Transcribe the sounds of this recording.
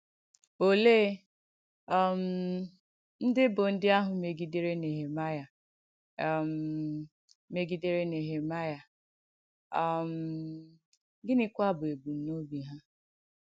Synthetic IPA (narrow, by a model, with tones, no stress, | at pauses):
o˨leː˦ | m̩˨˦ | n̩˦dɪ˦bʊ˨n̩˦dɪ˦a˦ɦʊ˨me˨ɡi˦de˦ɾe˦ne˨ɦe˨ma˦ja˨ | m̩˨ | me˦ɡi˦de˦ɾe˦ne˨ɦe˨ma˦ja˨˦˨ | m̩˨ | ɡɪ˦nɪ˦kʷa˦bʊ˨e˨bu˨n̩˦no˦bi˨ɦa˦